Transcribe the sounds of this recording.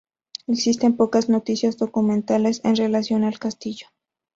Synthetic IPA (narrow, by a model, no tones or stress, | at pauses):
eksist̪e̞mpo̞kazno̞t̪isjazd̪o̞kumẽ̞nt̪alesenre̞lasjo̞nalkast̪iʝo